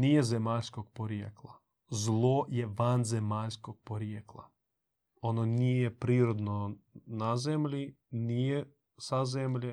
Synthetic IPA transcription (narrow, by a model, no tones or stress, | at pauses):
nijezemaːʎʲskoɡ̚poɾjeklˠa | zlˠojeʋanzemaːʎʲskoɡ̚poɾjeklˠa̰ | ononijepɾiːɾod̪nonazemʎʲi | nije | sazemʎe